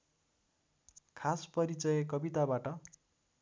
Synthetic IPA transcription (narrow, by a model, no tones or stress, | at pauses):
kʰaspʌɾit͡sʌjʌkʌbit̪abaʈʌ